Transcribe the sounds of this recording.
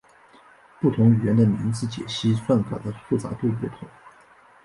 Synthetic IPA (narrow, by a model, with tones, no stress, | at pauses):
pu˥˩t̪ʰʊ˧˥ŋy˨˩ɥɛ˧˥nd̪ə˧mi˧˥ŋt͡sɹ̩˥˧t͡ɕjɛ̰˨˩ɕi˥swa˥˩nka̰˨˩d̪ə˧˦fu˥˩t͡sa̰˧˥t̪we˥˧pu˥˩t̪ʰʊ˧˥˦ŋ